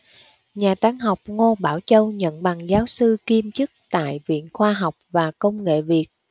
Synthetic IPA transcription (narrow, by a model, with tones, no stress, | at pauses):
ɲaː˨˩t̪aː˨˦ŋɦa˨˩wk͡p̚ŋo˧ɓaː˧˩wt͡ɕə˧wɲə̰˧˨nɓa˨˩ŋzaː˨˦wsɨ˧ki˧mt͡ɕɨ˦˥k̚t̪a̰ː˧˨jvḭ˧˨ənxwaː˧ɦa˨˩wk͡p̚vaː˨˩kə˧wŋ͡mŋḛ˧˨vi˨˩ət̚